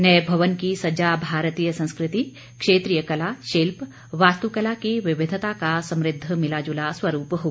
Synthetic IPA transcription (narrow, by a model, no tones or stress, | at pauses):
nɐjbʱɐʋənkisɐd͡ʒaːbʱaːɾət̪iːjəsɐ̃nskɾɪt̪i | kʂeːt̪ɾijəkɐlaːʃilp | ʋaːst̪ukɐlakiʋɪʋɪd̪ʱət̪akasɐ̃mɾɪd̪ʱːəmɪlaːd͡ʒulaswɐɾuːpɦoɡ